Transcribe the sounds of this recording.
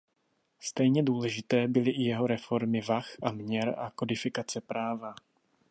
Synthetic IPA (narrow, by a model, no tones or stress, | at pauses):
st̪ɛjɲɛduːlɛʒɪt̪ɛːbɪlɪʔɪjɛɦo̞ɾɛfo̞ɾmɪvaxʔamɲɛɾʔako̞dɪfɪkat͡sɛpɾaːva